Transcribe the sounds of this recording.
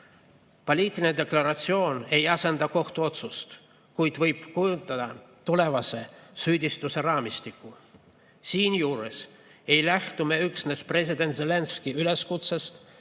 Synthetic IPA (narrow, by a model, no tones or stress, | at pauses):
polʲiːt̪ːˑilined̪e̞klɑɾɑt̪sio̞ːne̞jɑse̞nd̪̥ɑko̞ht̪uo̞t̪sust̪ | kujd̪̥vɤjb̥kujunt̪ːˑɑd̪̥ɑ | t̪ule̞vɑse̞syːd̪ʲist̪use̞rɑːmist̪ikˑːu | siːnjuːɾḛs | e̞jlæht̪ume̞yksne̞spre̞sʲid̪e̞nt̪zelenskiyle̞skut̪sest̪